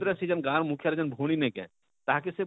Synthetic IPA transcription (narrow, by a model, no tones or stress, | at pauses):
d̪ɾəsid͡ʒənɡãːɾmukʰjaɾed͡ʒənbʱuɽ̃inekɛ̰̃ | t̪aɦkese